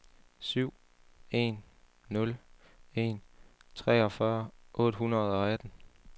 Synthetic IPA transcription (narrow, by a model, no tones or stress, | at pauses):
syʊ̰ | e̝̰nː | ɔ̽le̝̰nt͡sʰʁɛ̰ːɒ̽fɶɐʔɔ̰̽ːd̥ɦunʁɐð̞̩ˠɒ̽æd̥n̩